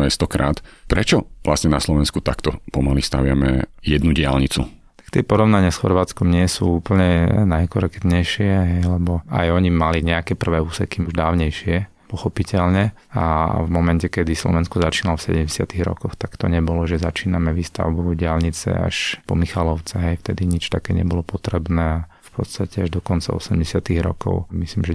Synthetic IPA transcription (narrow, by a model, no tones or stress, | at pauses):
ɛjst̪ɔkɾa̰ːt̪pɾɛt͡ʃɔʋla̰sɲɛnaslɔʋɛnskut̪akt̪ɔpɔmalist̪aʋɪamɛ̰jɛd̪nuɟɪa̰lɲit͡sṵ | t̪ḁkt̪ɪɛpɔɾɔʊnaɲɪasxɔ̰ɾʋaːt͡skɔmɲɪɛsṵːuːpl̩ɲɛnajkɔɾɛkd̪ɲɛjʃɪɛɦɛjlɛbɔa̰jɔɲimaliɲɛakɛːpr̩ʋɛːuːsɛkiuʒd̪aːʊɲɛjʃɪɛ | pɔxɔpicʰɛlɲɛ | a̰vmɔmɛncɛkɛd̪islɔ̰ʋɛnskɔzat͡ʃiːnalɔfsɛ̰ɟɛmɟɛsɪat̪iɣɾɔ̰kɔxt̪akt̪ɔɲɛbɔlɔʒɛzat͡ʃiːnamɛʋiːst̪a̰ʊbuɟɪalɲit͡sɛ̰a̰ʃpɔ̰mixalɔʊt͡sɛɦɛjft̪ɛd̪iɲit͡ʃt̪akɛːɲɛ̰bɔlɔpɔt̪ɾɛbnɛːa | fpʰɔt̪st̪acɛaʒd̪ɔkɔnt͡sa̰ɔ̰sɛmɟɛsɪat̪iɣɾɔ̰kɔ̰ʊmisliːmʒɛ